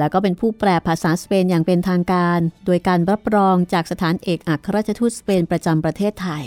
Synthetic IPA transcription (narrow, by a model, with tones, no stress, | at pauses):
lɛː˦˥wkɔː˥˩p̬e˧npʰuː˥˩pɾɛː˨˩pʰːaː˧˩saː˩˦speː˧njaː˨˩ŋpe˧nt̪ʰaː˧ŋkaː˧ndoː˧jkaː˧nɾa˦˥p̚ɾɔː˧ŋt͡ɕaː˨˩k̚sa˧t̪ʰaː˩˦nʔeː˨˩k̚ʔa˨˩kʰa˧ɾaː˥˩t͡ɕʰa˧t̪ʰu˦˥t̪̚speː˧npɾa˧t͡ɕa˧mpɾa˧t̪ʰeː˥˩t̪ʰːa˧j